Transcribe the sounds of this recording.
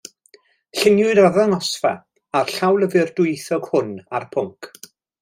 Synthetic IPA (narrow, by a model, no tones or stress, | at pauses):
ɬɪnjʊɨdaðɔŋɔsfɛ̰ | arɬawlˠəvɪrdʊjθɔɡ̥hʊnarpʰʊŋk